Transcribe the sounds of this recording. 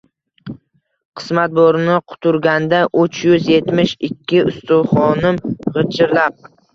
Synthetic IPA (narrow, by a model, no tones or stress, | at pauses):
qʰɨ̥smat̪̚boɾnɪqʰʊ̥t̪ʰʊɾɡʲand̪aʔʊt͡ʃjʊzje̞t̪mɪʃɪkʲʰːɪʊst̪ʊwχɒnɪmʁɨt͡ʃʰɪɾlap̚